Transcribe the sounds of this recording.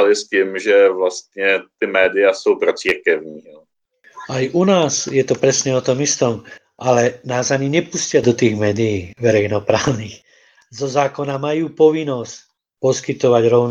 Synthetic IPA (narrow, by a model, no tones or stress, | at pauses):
lɪsciːmʒɛvlast̪ɲɛt̪ɪmɛːdɪjasowpɾɔt͡siːɾkɛvɲiːɛ | ajʔunaːzjɛt̪ɔpɾɛsɲɛɔt̪ɔmist̪ɔm | ʔalɛnaːzaɲiɲɛpuscɪad̪ɔt̪iːɣmɛːd̪ijiːʋɛɾɛjnɔpɾaːʊniːx | zɔzaːkɔnamajuːpɔʋinɔsc | pɔskit̪ɔʋaɟɾɔʊn